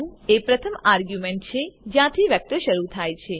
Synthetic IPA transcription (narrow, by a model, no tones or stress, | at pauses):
ũepɾət̪ʰəmaɾɡjumeɳʈ̚t͡ʃʰed͡ʒjãt̪ʰiʋjək̚t̪əʃəɾut̪ʰajt͡ʃʰe